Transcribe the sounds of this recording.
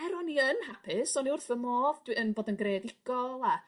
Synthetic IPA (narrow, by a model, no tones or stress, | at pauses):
ɛɾɔniənhapʰɪsɔniʊrθəmoːðd̥wiənboːdənɡredɪɡ̥ɔlˠa